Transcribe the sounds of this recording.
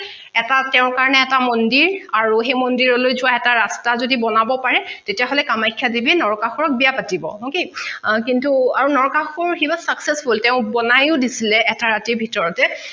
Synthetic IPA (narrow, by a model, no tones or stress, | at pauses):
ɛtatɛʊ̃kaɹɔnɛːtamɔndiɹaɹuɦejmɔndiɹɔlojzʊwaɛtaɹastazodibɔnabɔpaɹɛtetijaɦolɛkamajkʰːadibinɔɹɔkaxuɹɔk̚bijapatibɔ̰ɦokekintuaɹunɔɹɔkaxuɹxibasaksesfultɛʊ̃bɔnajʊdisilɛʔɛtaɹatiɹbʱitɔɹɔtɛ